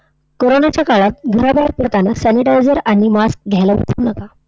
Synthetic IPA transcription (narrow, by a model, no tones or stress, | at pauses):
koɾonat͡ɕjakaɭat̪̚ɡʱəɾabaɾ̚pəɾt̪anasæniʈajd͡zəɾaɽ̃imask̚ɡʱjalaə̰t̪ʰunəka